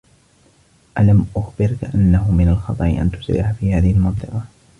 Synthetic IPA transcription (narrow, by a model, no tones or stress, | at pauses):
ʔalamʔʊxbɪɾkaʔanːaɦʊmɪnalxɑt̪ˤɑʔɪ̰ʔa̰nt̪ʊ̥sɾɪ̰ʕafiːhaːðɪhɪlmɑnt̪ˤɨqɑ